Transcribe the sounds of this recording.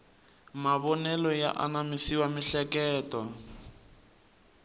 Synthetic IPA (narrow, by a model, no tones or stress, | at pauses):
maβɔnɛlɔja̰ʔanamisiwamiɬɛkɛːta